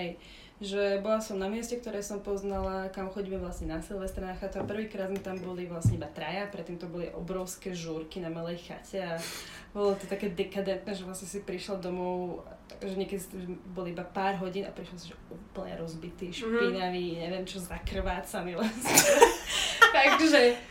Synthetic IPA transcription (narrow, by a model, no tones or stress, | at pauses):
ɦɛj | ʒɛbɔlasɔmnamɪɛscɛkt̪ɔɾɛːsɔmpɔznalakamxɔɟiːmɛʋlasɲɛnasilʋɛst̪ɾanaxat̪uapr̩ʋiːkɾaːd̪mit̪ambɔliʋlasɲɛibat̪ɾajapɾɛt̪ːiːmt̪ɔbɔliʔɔbɾɔʊskɛːʒuːɾkinamalɛjxa̰cʰɛa | bɔlɔt̪ɔt̪akɛːd̪ɛkad̪ɛnt̪̚nɛʒɛʋlasɲɛsipɾiʃlad̪ɔmɔʊakʒɛɲɪɛkɛd̪ist̪ɛbɔliibapaːɾɦɔɟiːna̰pɾiʃlɔsiʒɛuːpl̩ɲɛ̰ɾɔzbit̪iːʃpinaʋiːɲɛʋɛmt͡ʃɔzakr̩ʋaːt͡sanilɛsɛ | t̪aɡʒɛ